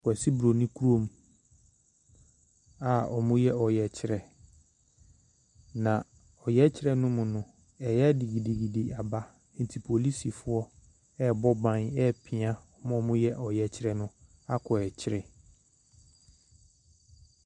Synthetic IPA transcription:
kɔ˨ɛ˨si˦bɾo˨nĩ˦kʰu˦ɾo˦˨m | a˨ɔ̰˨mʊ̃˦jɛ˦ɔ˨jɛ˨t͡ɕʰɪ˦ɾɛ˨ | nã˨ | ɔ˨jɛ˦t͡ɕʰɪ˦ɾɛ˦nʊ̃˦mʊ̃˨nʊ̃˦ | ɛ˨jɛ˦di˨ɡi˨di˨ɡi˨di˨a˨ba˦ | ɛ̃˨n˨tʰi˨pʰo˨li˦si˨fʊ˦ɔ˦ | ɛ˦bɔ˦bã˨nɛ˦˨pʰɪ˨ã˦ɔ˨mʊ̃˦ɔ˨mʊ̃˦jɛ˦ʔɔ˨jɛ˨t͡ɕʰɪ˦ɾɛ˦nʊ̃˦ | a˦kʰɔ˨ɛ˨t͡ɕʰɪ˦ɾɛ˨

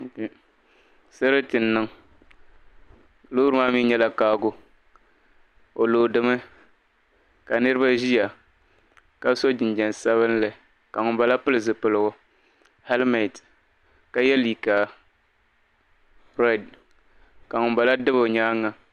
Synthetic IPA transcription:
sɨ˦ɾɨ˦tɪ˨nːɨ˦ŋ | lo˦ɾɨ˦maː˦miː˦ɲɛ˦la˦kaː˦ɡʊ˦ | o˨loː˨dɨ˨˦mɨ˦ | ka˨nɨ˦ɾɨ˦ba˦ʒi˦ja˨ | ka˦so˦d͡ʒɪ˨nd͡ʒɛ˨nsa˦βɨ˦n˦lɨ˨ | ka˨ŋʊ˨mba˨la˦pɨ˦lɨ˨zɨ˨pɨ˨lɨ˨ɡʊ˨ | hɛ˦lmɛ˨t | ka˨jɛ˦li˨ka˨ | ɾɛ˦˨d | ka˨ŋʊ˨ba˨la˦dɨ˦bo˨ɲaː˦ŋːa˨

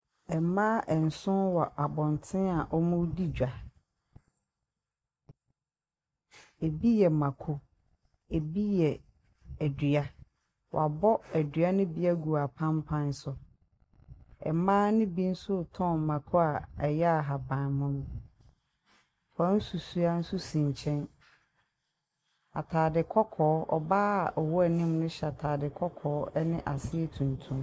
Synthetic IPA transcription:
ɛ˨mãː˦ʔɛ˨n̩˨sʊ̃˦nwɔ˨ʔa˨bɔ̃˨n˨tʰɪ̃˦a˨ʔɔ˦mʊ̃˦di˦d͡ʑᶣa˨ | e˨bi˦jɛ˨mã˨kʰʊ˦ | e˨bi˦jɛ˨ | æ˨dɥa˦ | wʔa̰˨bɔ˦æ˨dɥa˦nʊ̃˦bi˦a˦ɡu˨a˨pʰã˦mpʰã˦n˦sʊ˨ | ɛ̰˨mãː˦nɪ̃˦bi˦n̩˦sʊ˦tʰɔ̃˦˨m˨mã˨kʰɔ˦a˨ɛ˨jɛ˦a˨ɦa˨bã˨nmʊ̃˦m̃˦ | wã˨˦n̩˦su˨su˦a˦n̩˦su˦sĩ˨ɲ˨t͡ɕʰɛ̃˦n | a̰˨tʰaː˨dɪ˨kʰɔ˦kʰɔː˨˦ɔ̰˨baː˦˨ʔɔ˨wɔ˦ɛ˨nɪ̃˦mnʊ̃˦ɕɛ˨a˨tʰaː˨dɪ˨kʰɔ˦kʰɔː˨˦nɪ̃˦ʔa˨sɪ˦ɛ˦˨tʰũ˨ntʰũ˦m

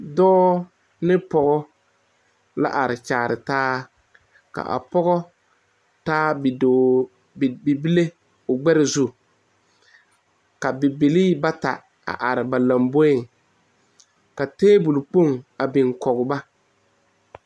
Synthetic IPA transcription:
dɔː˦ | nɪ˦pɔ˦ɣɔ˦ | la̰˦ʔa˨ɾɪ˨t͡ʃaː˨ɾɪ˨taː˦ | ka̰˨ʔa̰˨pɔ˦ɣɔ˦ | taː˦bdo˨ | bi˨bi˦le˦ | ʊ˨ɡ͡bɛ˦ɾɪ˨zu˦ | ka˨bɪ˨bi˨liː˦ba˦ta̰˨ | a̰˨ʔa˨ɾɪ˨ba˨la˨mbo˦ɪ˦˨ŋ | ka˨teː˦bu˨lk͡po˦˨ŋa˨bɪ˨ŋkɔ˨ɣʊ˨ba˦

